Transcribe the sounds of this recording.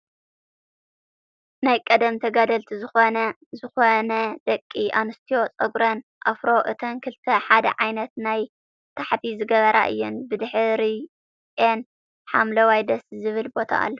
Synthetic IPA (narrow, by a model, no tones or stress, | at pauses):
najkʼɐd̪ɐmt̪ʰɐɡad̪ɐlt̪ʰizɨxo̞nɐ | zɨxo̞nɐd̪̥ɐkʼːiʔanɨst̪ʰio̞t͡sʼɐɡɾɐnʔafɾo̞ʔɨt̪ʰɐnkʰɨlt̪ʰɐħad̪ɐ̰ʕajnɐt̪naj | t̪ʰaħt̪ʰizɨɡɐβɐɾʔa̰ʔɨ̰jːɛnbɨd̪ɨħɾi | en | ħamlɐwajd̪ɐszɨβɨlbo̞t̪ʰa̰a̰lːɐ